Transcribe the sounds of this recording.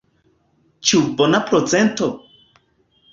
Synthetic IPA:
t͡ʃiubonapɾot͡sento

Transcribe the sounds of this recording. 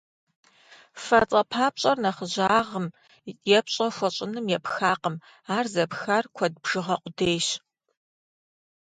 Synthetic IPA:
fɐrt͡sʼɐpʰaːp̚ɕʼɐrnɐχəʑaːʁəm | jɛpɕʼɐxʷɔɕʼɪnɨmjɛpxaːqəm | aːrzɐpxarkʷʰɔd̚bʒ̥ɨʁɐqʷʊdeːjɕ

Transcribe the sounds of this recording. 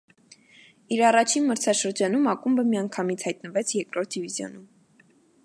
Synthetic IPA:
iɾɑrɑt͡ʃʰinməɾt͡sʰɑʃəɾd͡ʒɑnumɑkumbəmijɑŋkʰɑmit͡sʰhɑjt̪̚nəvɛt͡sʰjɛɾkɾɔɾt̪̚d̪ivizjɔ̰num

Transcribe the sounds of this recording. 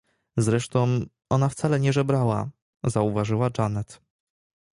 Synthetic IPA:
zɾɛʂt̪ɔ̃w̃ | ʔɔnaft̪salɛɲɛʐɛbɾawa̰ | zauvaʐɘwad͡ʐanɛt̪

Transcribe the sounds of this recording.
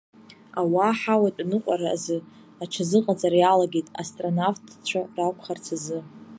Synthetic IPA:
awaħawatʼnɨqʷʼaɾaazɨ | aʈ͡ʂʰazɨqʼat͡sʼaɾjalaɡʲetʼastʼronavtʰt͡ɕʷʰarakʷʰχart͡sʰazɨ

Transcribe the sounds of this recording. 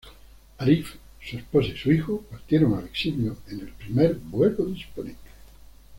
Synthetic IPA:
alif | suesposaisuixopaɾt̪jeɾoŋaleksiljoenelpɾimeɾbwekoðisponẽnt̪e

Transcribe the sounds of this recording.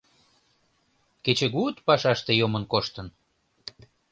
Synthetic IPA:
ket͡ɕeɣut̪pɑʃɑʃt̪ejomənkoʃt̪ən

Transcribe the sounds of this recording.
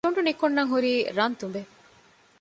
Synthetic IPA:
uɳɖunikonːɐŋɦuɾiːɾɐnt̪umbe

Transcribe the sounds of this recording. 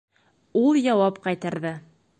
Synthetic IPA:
ulˠjɑwɑpqɑjt̪ɑɾðɘ

